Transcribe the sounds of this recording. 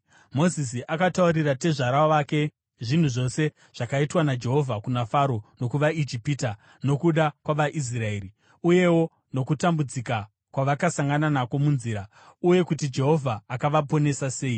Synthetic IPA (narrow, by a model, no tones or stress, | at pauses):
mo̞zis̬iʔakatauɾirate̞ʐaɾaʋaːke̞ | ʐin̤uʐo̞se̞ | ʐ̥akaitwanad͡ʒe̞ɦo̞vʱakunafaɾo̞no̞kuʋaid͡ʒipita | no̞kuɗakwaʋaʔis̬rae̞ːɾi | uje̞wo̞ | no̞kutambud͡zika | kwaʋakasaŋɡananako̞munziɾa | uje̞kutid͡ʒe̞ɦo̞vʱaːkaʋapo̞ne̞sase̞ːi